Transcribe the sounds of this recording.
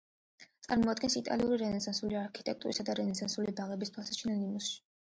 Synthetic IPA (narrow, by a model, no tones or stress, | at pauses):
t̪sʼa̰ɾmɔad̪ɡɛnsit̪ʼa̰liuɾiɾɛnɛsɛnsuliaɾkʰi̥t̪ʼɛk̚t̪ʼuɾisad̪aɾɛnɛsɛnsulibaʁɛbist̪ʰwasḁt͡ʃʰinɛnimusʃi̥